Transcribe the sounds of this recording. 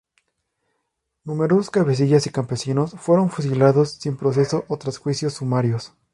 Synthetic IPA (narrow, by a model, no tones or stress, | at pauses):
nũme̞ɾososkaβe̞s̬iʝasikampe̞sino̞sfwe̞ɾo̞nfus̬ilaðo̞sːimpɾo̞s̬e̞so̞ʔot̪ɾasxwisjo̞sːumaɾjo̞s